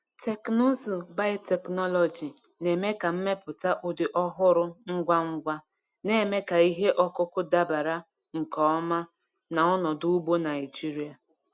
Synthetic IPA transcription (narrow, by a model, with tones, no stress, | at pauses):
tʰe˨kno˦zu˨ba˦te˨knɔ˦lɔ˨d͡ʒi˨ | ne˨me˦ka˨m̩˦me˦pʊ˨ta˦ʔo˨dɪ˨ʔɔ˦ɦʊ˦ɾʊ˦ŋ̩˦ɡʷa˦ŋ̩˦ɡʷa˦ | ne˨me˦ka˨i˦ɦe˦ʔɔ˦kʊ˦kʊ˦da˦ba˨ɾa˦ | ŋ̩˨kɔ˨˦ɔ˦ma˦ | na˨ɔ˦nɔ˨dʊ˦u˦bo˦na˨ɪ˨d͡ʒi˦ɾi˦a˨